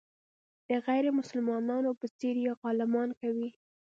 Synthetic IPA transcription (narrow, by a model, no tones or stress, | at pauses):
d̪̥əɣajɾemʊsəlmɑnɑnopət͡seɾjeɣɑlɪmɑnkawi